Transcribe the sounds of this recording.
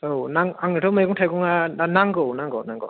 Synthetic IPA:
ownaŋaŋnitʰɔmajɡɔŋtʰajɡɔŋaanaŋɡownaŋɡɔwnaŋɡɔ̰w

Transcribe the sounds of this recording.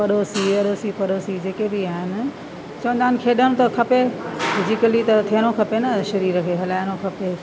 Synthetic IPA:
pɐɗoːsiɐɗoːsipɐɗoːsid͡ʑeːkebiaːɦɪnɪ̆ | t͡ɕɐʋə̃nd̪aːɪn̆kʰeːɗəɽ̃t̪ɐkʰɐpefʰɪd͡ʑɪkəlit̪ɐt̪ʰijəñokʰɐpenɐʃɐɾiːɾɐkʰeɦɐlaːɪñokʰɐpe

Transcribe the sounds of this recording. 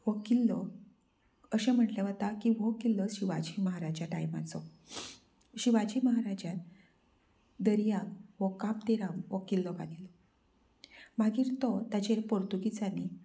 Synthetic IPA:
ʋɔkilːɔ | əɕɛ̃m̤əʈlaʋət̪akiʋɔkilːɔɕiʋad͡ʑiməɦaɾad͡ʑjaʈajma̰t͡sɔ | ɕiʋad͡ʑiməɦaɾad͡ʑjat̪ | d̪əɾjakʋɔkamt̪iɾamʋɔkilːɔba̰d̪ilɔ | maɡiːɾt̪ɔt̪at͡ɕeɾpɔɾt̪uɡit͡sani

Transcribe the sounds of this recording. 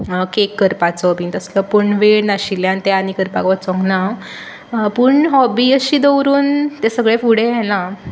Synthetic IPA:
kekːəɾpat͡sɔbint̪əsləpuɳʋeɽnaɕiljãnt̪ɛanikəɾpa̰kʋət͡sɔ̃ŋɡna | puɳɦɔbiəɕiːd̪əwɾuːnt̪esəɡɭẽfuɽẽɛlã

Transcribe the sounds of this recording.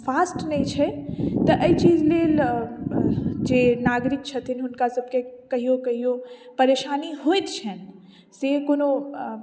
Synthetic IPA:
fʰaːsʈnɛĩt͡ʃʰɛt̪əʔəit͡ʃiːd͡ʒleːl | d͡ʒenaːɡɾɪk̚t͡ʃʰət̪ʰinɦʊnkasəb̚ʱkekɐɦijokɐɦiopəɾeʃaːniɦojt̪t͡ʃʰɛn | sekono

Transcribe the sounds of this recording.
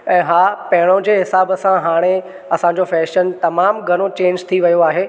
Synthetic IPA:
ɛ̃ːɦaːpɐɦɪɽ̃õd͡ʑeːɦɪsaːbsãɦaːɽ̃e | ɐsãɲ̆d͡ʑofɛːʃənt̪ɐmaːmɡʱɐɽ̃ot͡ɕẽːɲd͡ʑt̪ʰiʋɐjoaːɦeː

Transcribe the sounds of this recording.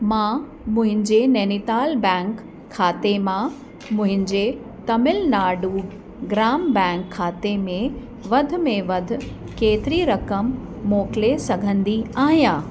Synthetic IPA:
mãː | mʊ̃ɦɪ̃ɲd͡ʑeneːnit̪aːlbɛ̃ːŋkʰː | aːt̪emã | mʊ̃ɦɪ̃ɲd͡ʑeː | t̪ɐmɪlnaːɖuː | ɡɾaːmbɛ̃ːŋkʰːaːt̪emẽ | ʋɐd̪ʱʊ̆mẽʋɐd̪ʱʊ̆ | keːt̪ɪɾiɾɐkəmː | oːklesɐɡʱə̃nd̪iaːɦijãː

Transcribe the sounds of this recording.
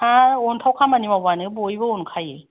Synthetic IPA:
aontʰawkʰamaniwabanɯbojbɯonkʰaje

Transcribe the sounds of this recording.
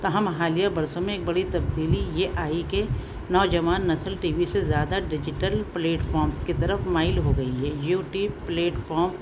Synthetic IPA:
t̪ɐɦɐmɦaːlijabɐɾsõmẽeːk̚bɐɽit̪ɐb̚d̪iːlijeʔaːike | nɔːd͡ʒɐʋaːnːɐsəlʈiːʋisezjaːd̪aɖɪd͡ʒɪʈəlpleːʈfʰɔːɾmskit̪ɐɾəfmaːɪlɦoɡɐiɦɛːjuːʈiːbpleːʈfɔːɾm

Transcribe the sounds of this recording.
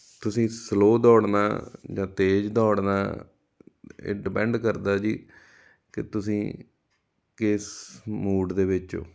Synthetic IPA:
t̪ʊsĩːsloːd̪ɔːɽna̰ːd͡ʒãːt̪eːd͡ʒd̪ɔːɽna̰ː | ḛːɖɪpɛ̃ːɳɖkəɾd̪aːd͡ʒiː | kɪt̪ʊsĩː | kɪsmuːɖd̪eːʋɪt͡ʃo̰ː

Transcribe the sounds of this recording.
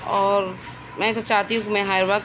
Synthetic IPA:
ɔːɾ | mɛ̃t̪ot͡ʃaːɦt̪iɦũkimɛ̃ɦaːɾbak

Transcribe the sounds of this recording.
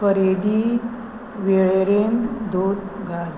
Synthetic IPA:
kəɾed̪i | ʋeɭeɾend̪od̪ɡʱaɾ

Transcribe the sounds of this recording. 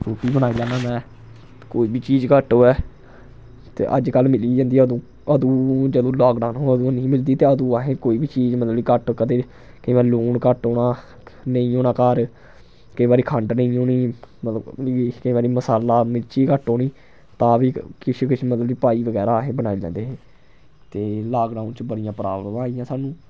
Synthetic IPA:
ɾuːʈiːbənaːiːd͡ʒãːnaːmɛ̃ː | koːiːbʱiːt͡ʃiːd͡ʒkəʈoːɛː | t̪ḛːʔə̰d͡ʒkəlmɪliːd͡ʒãːnd̪iːəd̪õː | əd̪uːd͡ʒəd̪õːlɔːkɖaːnɦoːəd̪unəĩːmɪld̪iːt̪eːəd̪uːaɦẽːkoːiːbiːt͡ʃiːzmət̪ləbikəʈkəd̪eː | kəĩːbaːɾluːɳkəʈoːnaː | nəĩːoːnaːkaːɾ | kəiːbaːɾiːkʰəɳɖnəĩːoːniːmət̪ləkəiːbaːɾiːməsaːlaːmɪlt͡ʃiːkəʈoːniː | t̪ãːʋiːkɪt͡ʃʰkɪt͡ʃʰmət̪ləbiːpaːiːʋəɡɛːɾaːɦẽːbənaːilɛ̰̃ːnd̪eːɦẽː | t̪eːlaːkɖaːʊnt͡ʃbəɽɪjãːpɾa̰ːbəmãːijãːsaːnũː

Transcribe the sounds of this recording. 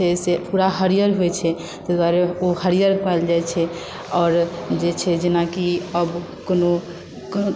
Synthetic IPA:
ɛsepuɾaɦəɾijəɾɦoɛt͡ʃʰɛ | t̪ed̪waɾeohəɾijəɾkald͡ʒajt͡ʃʰɛ | ɔːɾd͡ʒet͡ʃʰɛd͡ʒenakiəb | kono | k

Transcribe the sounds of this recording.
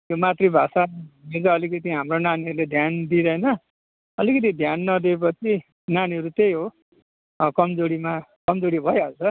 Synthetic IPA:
j̪jomat̪ribʱasaned͡zʌʌlikʌt̪iɦamronaniɦʌɾuled̪ʱjand̪iɾʌjnʌ | ʌlikʌt̪̬id̪ʱjanːʌd̪eep̬ʌt͡sʰi | naniɦʌɾut̪ejɦo | kʌmd͡zoɾimakʌmd͡zoɽibʱʌjʌlt͡sʌ

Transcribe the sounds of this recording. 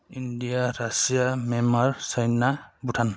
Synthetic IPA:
indijaɾasijamɛmaɹsajnabutʰan

